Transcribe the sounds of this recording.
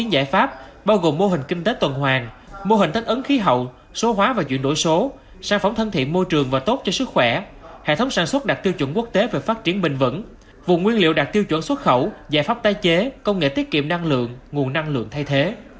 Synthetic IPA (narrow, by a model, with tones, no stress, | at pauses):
i˨˦nza̰ː˧˩jfaː˦˥p̚ɓaː˧wɣo˨˩mːo˧ɦï˨˩ŋ̟kï˧ŋ̟t̪e˨˦t̪wə˨˩nɦwaː˨˩ŋ | mo˧ɦï˨˩ŋ̟t̪i˦˥k̟ʔə˨˦nxi˨˦ɦə̰˧˨w | so˨˦ɦwaː˨˦vaː˨˩t͡ɕwḭ˧˨ənɗo̰˧˥˩jso˨˦ | saː˧˩ŋfa˧˩wŋ͡mt̪ʰə˧nt̪ʰḭ˧˨nmo˧jt͡ɕɨ˨˩əŋvaː˨˩t̪o˦˥t̚t͡ɕɔ˧sɨ˦˥k̚xwɛ˧˩hḛ˧˨t̪ʰə˨˦wŋ͡msaː˧˩nswə˦˥t̚ɗa˨˩k̚t̪i˧əwt͡ɕwə˧˩nku˦˥k̚t̪e˨˦ve˨˩faː˦˥t̚t͡ɕi˨˩˦ənɓï˨˩ŋ̟və̰˧˥n | vṵ˧˨ŋ͡mŋwi˧ənlḭ˧˨əwɗa˨˩k̚t̪i˧əwt͡ɕwə̰˧˥nswə˦˥t̚xə˧˩wza̰ː˧˩jfaː˦˥p̚t̪aː˧jt͡ɕe˨˦kə˧wŋ͡mŋḛ˧˨t̪i˦˥ət̚kḭ˧˨əmna˧ŋlɨ̰˧˨əŋŋu˨˩ənːa˧ŋlɨ̰˧˨əŋt̪ʰa˧jt̪ʰe˨˦